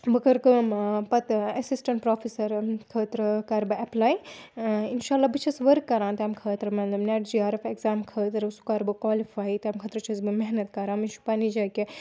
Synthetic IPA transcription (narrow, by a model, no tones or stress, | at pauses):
bɨkɐɾkɨmpɐt̪ɐsisʈɐɳʈpɾoːfisɐɾkʰəːt̪ɾɐkɐɾbɨɐplaːj | inʃaːlːaːbɨt͡ʃʰɐsʋɐɾkːɐɾãːnt̪amkʰəːt̪ɾɐmɐt̪lɐmnʲaʈd͡ʒiaːɾɐfekzaːmkʰəːt̪ɐɾusu̥kɐɾbɨkwaːlifaːjt̪ɐamkʰɐt̪ɾɐt͡ʃʰɐsbɨmeɦnɐt̪kɐɾãːmint͡ʃʰu̥panid͡ʒɐke